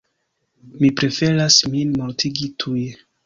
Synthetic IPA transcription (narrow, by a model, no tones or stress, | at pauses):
mipɾe̞fe̞ɾasminmoɾtʰiɡitʰuj